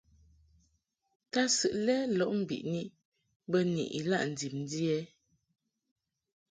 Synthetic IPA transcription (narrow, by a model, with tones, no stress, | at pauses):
ta˦sɨ˨ʔlɛ˦lɔ˨ʔm̩˦˨bḭ˨ʔni˦ | bə˦nḭ˨ʔḭ˨la̰˦ʔn̩˨di˨mn˦di˦ɛ˦